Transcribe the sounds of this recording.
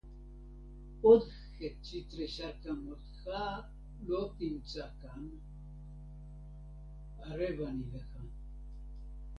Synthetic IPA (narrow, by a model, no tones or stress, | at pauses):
od̪ | xet͡ʃit̪ɾɛʃakamot̪xa | lokint͡sʼakan | aɾeβanivexan